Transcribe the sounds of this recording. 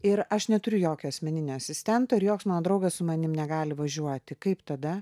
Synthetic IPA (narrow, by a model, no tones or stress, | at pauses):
ɪɾɐʃnʲɛt̪ʊɾʲʊjoːkʲoɐsʲmʲɛnʲɪnʲoɐsʲɪsʲt̪ʲɛnt̪ɐːɪɾjoːksmɑːnoːd̪ɾɐʊɡɐssʊmɐnʲɪmnʲɛɡɑːlʲɪʋɐʒʲuɔt̪ʲɪkɐɪpt̪ɐd̪ɐ